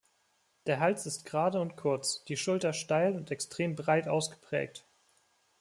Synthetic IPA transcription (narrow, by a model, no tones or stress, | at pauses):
d̥eːɐɦalt͡sɪst̚ɡ̥ʁaːdəʊntkʰʊɐt͡sd̥iːʃʊltɐʃtaɪlʊntɛkstʁ̥eːmbʁaɪtʔa̰ʊsɡ̥ə̥pʁ̥ɛ̰ːk̚t